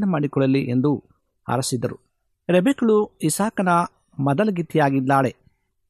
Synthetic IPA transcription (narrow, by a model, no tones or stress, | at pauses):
nɐmaːɽikɔɭɐliʔend̪u | ɐ̰ɾɐsid̪ːɐɾu | ɾebikɐɭuisaːkɐnɐ | mɐd̪ɐlɐɡit̪ijaːɡid̪ːaːɭe